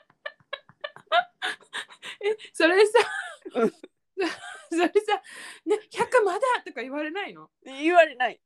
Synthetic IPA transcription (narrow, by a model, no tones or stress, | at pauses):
eso̞ɾe̞sa | soso̞ɾesaneçʲakːamad̪at̪o̞kaiβaɾe̞naino̞ | iβaɾenai